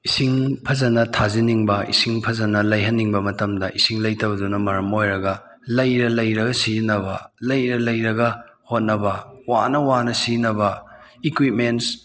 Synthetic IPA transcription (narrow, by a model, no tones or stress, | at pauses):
isiŋpʰɐzɐnɐtʰaziniŋbɐḭsiŋpʰɐzɐnɐlɐjɦɐnːiŋbɐmɐtɐmdɐʔisiŋlɐjtɐbɐdunɐmɐɾɐmojɾɐɡɐ | lɐjɾɐlɐjɾɐɡɐsinɐbɐlɐjɾɐlɐjɾɐɡɐ | hot̚nɐbɐwanɐwanɐsinɐbɐikwit̚mens